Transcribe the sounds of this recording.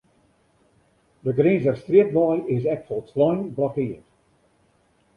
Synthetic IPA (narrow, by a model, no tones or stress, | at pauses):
dəɡɾĩːnzərstriət̚bɔjɪs̬ɛk̚fɔlˠtʰlɔjnblɔkɪət